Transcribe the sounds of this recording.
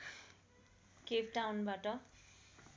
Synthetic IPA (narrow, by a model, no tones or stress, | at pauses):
kepʈawnbaʈʌ